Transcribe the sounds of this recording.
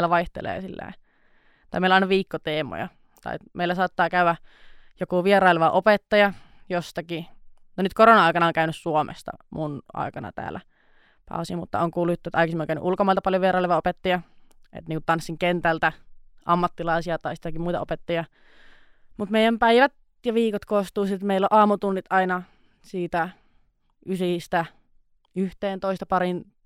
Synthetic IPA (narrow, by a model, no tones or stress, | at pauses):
læʋɑiht̪ḛlḛːsilːæ̰i | t̪ɑimeilɑˑinɑʋiːkːot̪eːmo̰jɑ̰ | t̪ɑ̰imeilːˑæsɑːˑt̪ːɑːkæyæjokuʋieɾɑileʋɑʔopet̪ːɑjɑjost̪ɑki | nonyt̪koronɑɑˑikɑnɑoŋkæynyssuomʔḛst̪ɑ̰munʔɑ̰ikɑnɑ̰t̪æ̰ːlːæ | pɑ̰ˑusimut̪ːɑ̰oŋkuːlːujut̪ːet̪ːɑˑikisimieoŋkæynyʔulkomɑilt̪ɑpɑljoʋierɑˑileʋɑopet̪ːɑjɑḛt̪niːŋkut̪t̪ɑnsːiŋkent̪ælt̪æʔɑmːɑt̪ːilɑisiɑt̪ɑisit̪ːækimuit̪ɑ̰opet̪ːɑjɑ | mut̪meijˑæmpæiʋæt̪ | jɑʋiːkot̪koːst̪uːsit̪meilːoʔɑːmut̪unːit̪ɑinɑ | siːt̪æ | ʔysist̪æ | yht̪eːnt̪oist̪ɑpɑɾin